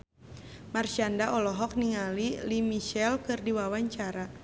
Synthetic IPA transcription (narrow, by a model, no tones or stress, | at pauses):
marʃiandaʔɔlɔɦɔk̚niŋalilimiʃɛlkɨrdiwawaɲt͡ʃaɾa